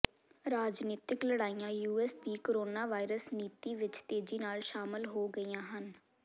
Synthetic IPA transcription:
ɾaːd͡ʒniːt̪ɪkləɽaːijãːjuːɛːsd̪iːkoɾoːnaːʋaːɪɾəsniːt̪iːʋɪt͡ʃt̪eːd͡ʒiːnaːlʃaːmɪlɦoːɡəiːjãːɦən

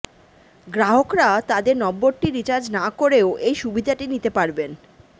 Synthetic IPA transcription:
ɡɾaɦokɾat̪ad̪eɾnɔbːoɾʈiɾit͡ɕaɾd͡ʑnakoɾeoʔejʃubid̪ʱaʈinit̪epaɾben

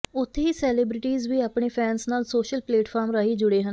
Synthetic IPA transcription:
ʊt̪ʰːeiːsɛːlɪbɾɪʈiːzʋiːapɳeːpʰɛːnsnaːlsoːʃəlpleːʈpʰaːɾmɾəɦiːd͡ʒʊɽeːɦən

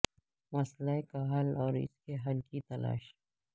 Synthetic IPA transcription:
mɐslaekaɦɐlɔːɾɪ̰skeɦɐlkit̪ɐla̰ːʃ

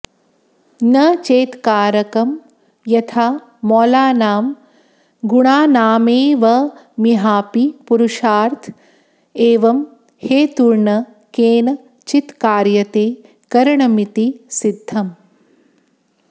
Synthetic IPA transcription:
nɐt͡ʃeːt̪kaːɾɐkɐm | jɐt̪ʰaː | mɔːlaːnaːm | ɡuɳaːnaːmeːʋɐ | miɦaːpipuɾuʃaːɾt̪ʰ | eːʋɐm | heːt̪uɾɳɐ | keːnɐ | t͡ʃit̪kaːɾjɐt̪eː | kɐɾɐɳɐmit̪isid̪ʱːɐm

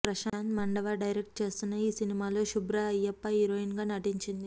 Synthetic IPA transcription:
pɾɐʃaːnt̪mɐɳɖɐʋaːɖɐjɾek̚ʈ̚t͡ʃe̞ːst̪unːɐiːsinimaːlo̞ːʃubɾaɐjːɐpːɐɦiɾoːinɡaːnɐʈiɲt͡ʃind̪i

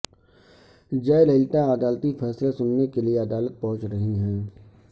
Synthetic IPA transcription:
d͡ʒɐlɐɪlt̪aəd̪aːlt̪ifʰɛːslasʊnːekelieɐd̪aːlət̪̚pɐɦʊ̃t͡ʃɾɐɦiɦɛ̃ː

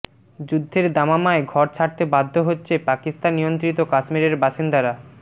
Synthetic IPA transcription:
d͡ʑud̪ʱːeɾd̪amamaeɡʱɔɾt͡ɕʰaɾt̪ebad̪ʱːoɦotːɕʰepakist̪anːijont̪ɾit̪okaʃmiɾeɾbaʃind̪aɾa

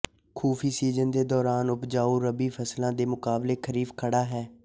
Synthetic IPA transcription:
kʰuːfʰiːsiːzənd̪eːd̪ɔːɾaːnʊpd͡ʒaːuːɾəbiːfʰəslãːd̪eːmʊkaːbleːkʰəɾiːfkʰəɽaːɦɛː

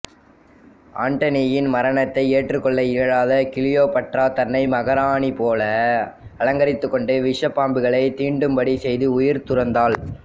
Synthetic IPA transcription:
ʔaːɳʈɐnijɪnmɐɾɐɳɐt̪ːɐɪeːʈrɯkːɔɭːɐɪɐɻaːðɐkɪɭɪjoːpɐʈraːt̪ɐnːɐɪmɐɣɐɾaːɳipoːlɐɐlɐŋɡɐɾɪt̪ːɯkːɔɳɖɯʋɪʂɐpːaːmbɯɣɐɭɐɪt̪iːɳɖɯmpɐɽisɛjðɯʊjɪɾt̪ʊɾɐnd̪aːɭ

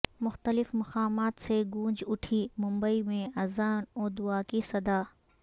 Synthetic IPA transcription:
mʊxt̪əlɪfmɐqaːmaːt̪seɡũːd͡ʒʊʈʰimʊ̃mbəimẽɐzaːnoːd̪ʊaːkisɐd̪aː

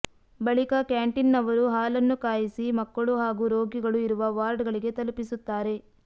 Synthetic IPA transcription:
bɐɭikɐkjaːɳʈinːɐʋɐɾuɦaːlɐnːukaːjisimɐkːɐɭuɦaːɡuɾoːɡiɡɐɭuiɾuʋɐʋaːɾɖɡɐɭiɡe̞t̪ɐlupisut̪ːaːɾe̞

